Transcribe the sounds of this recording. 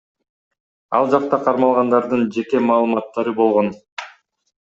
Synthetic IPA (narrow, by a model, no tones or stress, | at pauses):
ɑ̰lˠd͡ʒɑq̚t̪ɑqʰɑɾmɑlˠʁɑnd̪ɑɾd̪ɯnd͡ʒe̞ke̞mɑːlˠɯmɑt̪ːɑɾɯbo̞lˠʁo̞n